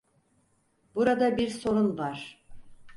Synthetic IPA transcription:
buɾad̪abiɾso̞ɾunˠvaɾ̥

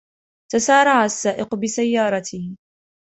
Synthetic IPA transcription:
t̪asɑːɾˤɑʕasːaːʔɪqbɪsajːɑːɾˤɑt̪ʰɪ

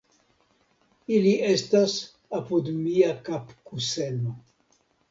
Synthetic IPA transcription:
iliʔestas | apud̪miakapkuseno

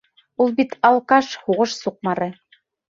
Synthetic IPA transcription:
ulˠbit̪ʰɑlˠkɑʃhuʁɤ̆ʃsuq̚mɑɾɤ̆

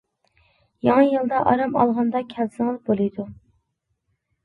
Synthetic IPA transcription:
jɑŋɨjɨlˠd̪ɑʔɑɾɑmɑ̰lˠʁɑnd̪ɑkʲʰɛlsɪŋɨzbolˠɨjd̪u

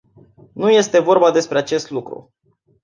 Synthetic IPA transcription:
nuje̞st̪e̞vo̞rbad̪e̞spɾe̞at͡ʃe̞st̪lukɾṵ

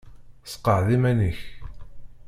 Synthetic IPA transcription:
sqːəʕðimænəç

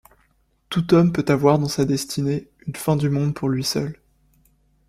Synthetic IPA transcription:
t̪ut̪ɔmpøt̪avwaʁd̪ɑ̃sad̪ɛst̪ʰine | ynfɛ̃d̪ymɔ̃d̪pʰuʁlɥisœl

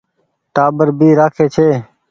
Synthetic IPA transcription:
ʈaːbəɾbiːɾaːkʰeːt͡ʃʰeː

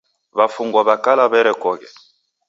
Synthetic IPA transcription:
βafuŋɡɔβakalaβɛɾɛkɔkɛ

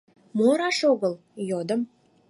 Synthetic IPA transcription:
moɾɑʃoɣəl | jod̪əm

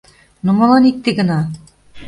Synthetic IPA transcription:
nomɤ̆lɑnik̚t̪eɡə̆nɑ

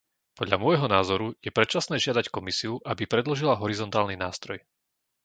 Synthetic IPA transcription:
pɔd̪ʎamʊɔjɦɔnaːzɔɾujɛpɾɛtt͡ʃasnɛːʒɪad̪ackɔmisiuʔabipɾɛd̪lɔʒilaɦɔɾizɔnt̪aːlninaːst̪ɾɔj

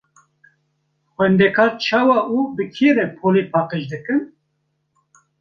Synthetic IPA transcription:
xʷɛnd̪ɛkʰɑːɾt͡ʃʰɑːwɑːʔuːbɨkʰeːɾɛpʰoːleːpʰɑːqeʃd̪ɨkɨn

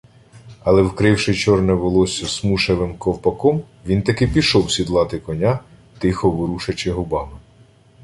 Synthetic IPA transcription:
ɐlˠɛwkɾɪwʃɪt͡ʃɔrnɛʋɔlˠɔsʲɐsmuʃeʋɪmkɔwpɐkɔm | ʋʲint̪ɐkɪpʲiʃɔwsʲid̪lˠɑt̪ɪkɔnʲa | t̪ɪxɔʋʊɾuʃɐt͡ʃɪɦʊbɑmɪ

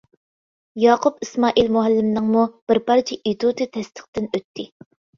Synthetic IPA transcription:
jɑːqʰʊpismɑːʔilmoɦɛlːɪmnɨŋmub̥ɪɾpɑɾt͡ʃʰiʔit̪ʰut̪ʰɨt̪ʰɛst̪ʰə̥χt̪ɪnøt̪ʰːɪ

